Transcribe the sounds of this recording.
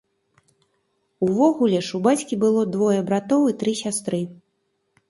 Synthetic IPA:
uvɔɣulʲɛʂubat͡sʲkʲibɨlˠɔd̪vɔjɐbɾat̪ɔwit̪ɾɨsʲast̪ɾɨ

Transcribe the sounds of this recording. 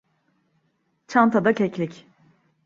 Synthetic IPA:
t͡ʃʰant̪ʰad̪acʰɛclʲic

